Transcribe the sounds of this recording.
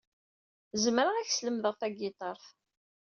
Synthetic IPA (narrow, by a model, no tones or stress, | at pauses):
zəmɾəʁæçsləmðəʁθæɡɪt̪ˤɑɾˤθ